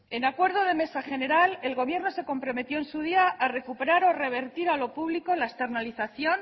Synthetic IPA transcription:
e̞nakwe̞ɾð̞o̞ð̞e̞me̞saxe̞ne̞ɾale̞lɣo̞β̞je̞ɾno̞se̞ko̞mpɾo̞me̞t̪jo̞ensuð̞iaʔare̞kupe̞ɾaɾo̞re̞β̞e̞ɾt̪iɾalo̞puβliko̞laest̪e̞ɾnaliθaθjo̞n

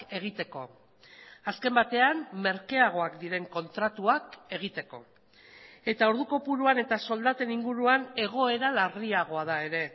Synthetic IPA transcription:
e̞ɣ̞it̪e̞ko̞̰ | aske̞mbat̪e̞anme̞ɾke̞aɣ̞o̞akd̪iɾe̞ŋko̞nt̪ɾat̪uake̞ɣ̞it̪e̞ko̞ | e̞t̪ao̞ɾðuko̞puɾuane̞t̪aso̞ld̪at̪e̞niŋɡuɾuane̞ɣ̞o̞e̞ɾalariaɣ̞o̞aðae̞ɾe̞

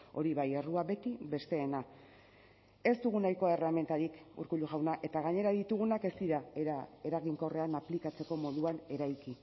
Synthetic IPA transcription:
o̞ɾiβaje̞ruaβe̞t̪iβe̞st̪e̞ːna | e̞st̪uɣ̞unajko̞ereame̞nt̪aɾikṵɾkuʎuʝawnaʔe̞t̪aɣ̞aɲe̞ɾaðit̪uɣ̞unake̞st̪iɾaae̞ɾaɣiŋko̞re̞anaplikat͡se̞ko̞mo̞ðuane̞ɾajki

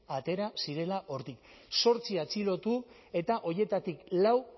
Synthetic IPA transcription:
at̪e̞ɾasiɾe̞laʔo̞ɾt̪ik | so̞ɾt͡siat͡silo̞t̪u | e̞t̪aʔo̞je̞t̪at̪iklaw

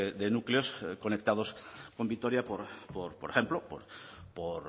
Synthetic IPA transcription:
ed̪enukleo̞sko̞nek̚t̪aðo̞sko̞mbit̪o̞ɾjapoɾpoɾpoɾexe̞mplopo̰ɾpoɾ

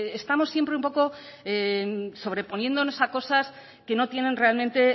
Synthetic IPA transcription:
est̪amo̞sːje̞mpɾeũmpo̞ko̞ | eso̞β̞ɾepo̞njend̪o̞no̞sako̞sas | ke̞no̞t̪je̞nẽ̞nre̞almẽnt̪e̞

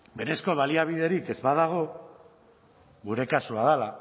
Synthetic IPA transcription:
be̞ɾe̞sko̞β̞aliaβ̞iðe̞ɾike̞zβaðaɣ̞o̞ | ɣuɾe̞kasuaðala

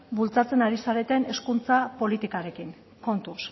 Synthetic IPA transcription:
bult͡sat͡se̞naɾisaɾe̞t̪ene̞skunt͡sapo̞lit̪ikaɾe̞kin | ko̞nt̪us

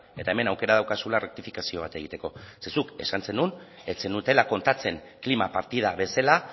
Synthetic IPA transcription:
e̞t̪aeme̞nawke̞ɾað̞awkasularek̚t̪ifikasio̞β̞at̪e̞ɣ̞it̪e̞ko̞se̞suke̞̰sanse̞nunet͡se̞nut̪e̞lako̞nt̪at͡se̞ŋ | klimapaɾt̪ið̞aβe̞sala

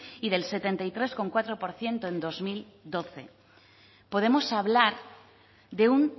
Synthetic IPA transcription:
iðe̞lse̞t̪e̞nt̪ajt̪ɾe̞sko̞ŋkwat̪ɾo̞po̞ɾθje̞nt̪oẽnd̪o̞zmil | d̪o̞θe̞̰ | po̞ð̞e̞mo̞saβlaɾ | ðe̞un

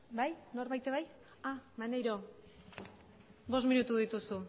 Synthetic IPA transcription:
bajno̞ɾβajt̪eβaj | amanejɾo̞ | bo̞sminut̪uðit̪usu

